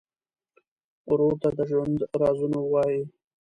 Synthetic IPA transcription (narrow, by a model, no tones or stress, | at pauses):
ɾoɾt̪ad̪əʒwand̪ɾɑzunowɑji